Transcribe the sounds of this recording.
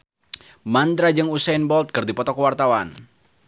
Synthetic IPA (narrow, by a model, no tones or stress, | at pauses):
mand̪ɾad͡ʒɨŋusajnbɔlt̪̚kɨrdipɔt̪ɔkəwart̪awan